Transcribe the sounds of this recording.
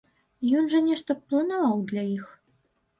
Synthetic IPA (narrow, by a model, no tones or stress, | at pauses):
jɔnʐɐnʲɛʂt̪ɐplˠɐnavawd̪lʲaix